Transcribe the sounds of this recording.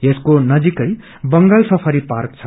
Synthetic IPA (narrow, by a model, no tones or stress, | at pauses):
jeskonʌd͡zikʌj | bʌŋɡalsʌpʰʌɾipark̚t͡sʰʌ